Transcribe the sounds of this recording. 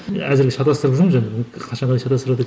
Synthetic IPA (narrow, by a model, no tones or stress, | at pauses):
æzɪɾɡʲeʃɑt̪ɑst̪əɾəpʒəɾmʒɑnebqʰɑʃɑɴɑd̪ɑjʃɑt̪ɑst̪ɾɑd̪ə